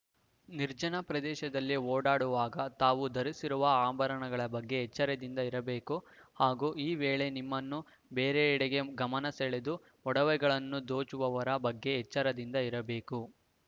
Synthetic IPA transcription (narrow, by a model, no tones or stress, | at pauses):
niɾd͡ʒɐnɐpɾɐd̪ɛːʃɐd̪ɐlːioːɽaːɽuʋaːɡɐt̪aːʋud̪ɐɾisiɾuʋɐaːbɐɾɐɳɐɡɐɭɐbɐɡːe̞ːt͡ʃːɐɾɐd̪ind̪ɐiɾɐbeːkuhaːɡuːiːʋeːɭe̞nimːɐnːu | beːɾeiɽeɡe̞ɡɐmɐnɐseɭed̪u | ɔɽɐʋɛɡɐɭɐnːud̪o̞ːt͡ʃuʋɐʋɐɾɐbɐɡːe̞ːt͡ʃːɐɾɐd̪ind̪ɐiɾɐbe̞ːku